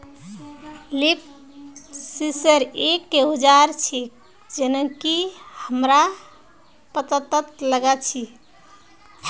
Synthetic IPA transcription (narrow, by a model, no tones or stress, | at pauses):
lip̚ | sisəɾekːeɦod͡ʒaɾt͡ʃʰi | d͡ʒenəkihəmɾa | pət̪ət̪ət̪ləɡat͡ʃʰi